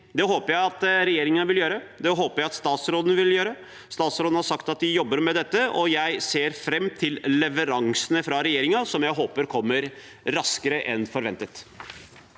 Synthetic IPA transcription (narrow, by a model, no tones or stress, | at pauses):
d̪ɛɦoːpəɾjæɪɑt̪ɾɛjeːɾɪŋənəʋɪljøːɾəd̪ɛɦoːpəɾjæɪɑt̪st̪ɑːt̪sɾoːd̪ənəʋɪljøːɾə | st̪ɑːt̪sɾoːd̪n̩hɑɾʂɑkt̪ɑt̪̚d̪ɪjɔbːəɾmɛd̪ɛt̪ːəɔjæɪseːɾfɾɛmːt̪ʰɪllɛʋəɾɑŋsənəfɾɑɾɛjeːɾɪŋɑsɔmjæɪɦoːpəɾkʰɔmːəɾ | ɾɑskəɾəʔɛnfɔɾʋɛnt̪ət̪